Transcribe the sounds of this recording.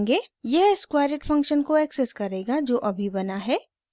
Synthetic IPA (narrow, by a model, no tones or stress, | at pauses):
ŋɡeːjɛɦɪskwaːɾɪʈfɐ̃ŋkʃənkoɛːksɛskɐɾeːɡad͡ʒoːʔɐbʱibɐnaɦɛː